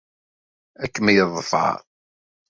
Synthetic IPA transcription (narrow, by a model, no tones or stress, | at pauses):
ækːəmæjəðˤfɑ̰ɾ